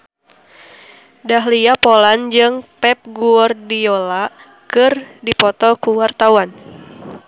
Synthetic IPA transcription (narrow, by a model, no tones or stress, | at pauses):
daɦliapoland͡ʒɨŋpɛp̚ɡuɔrdiola | kɨrdipɔt̪ɔkuwart̪awan